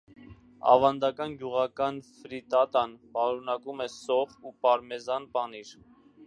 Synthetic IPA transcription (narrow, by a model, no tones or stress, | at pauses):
ɑ̰vɑnd̪ɑkɑnɡjuʁɑkɑnfɾit̪ɑt̪ɑnpɑɾunɑkumɛsɔʁupɑɾmɛzɑnpɑniɾ